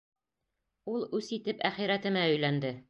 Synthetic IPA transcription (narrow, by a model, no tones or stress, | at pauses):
ulˠʉsit̪ɘpæχiɾæt̪ɘ̆mæɵ̆jlænd̪ɘ